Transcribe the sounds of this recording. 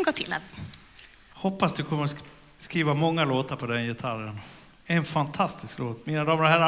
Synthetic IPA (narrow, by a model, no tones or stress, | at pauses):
ɡoːt̪ʰɪlːa̰ | hɔpːasd̪ɵkʰɔmːəɾɔ | skɾiːvamɔŋːaloːt̪aɾpʰɔd̪ɛnjɛt̪ʰaɾən | ɛnfant̪ʰast̪ɪskloːt̪miːnad̪ɑːməɾɔɦæɾa